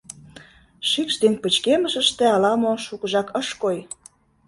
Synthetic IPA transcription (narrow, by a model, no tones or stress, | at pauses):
ʃykʃd̪enpə̆t͡ɕkeməʃəʃt̪ĕɑlɑmoʃukə̆ʒɑkəʃkoj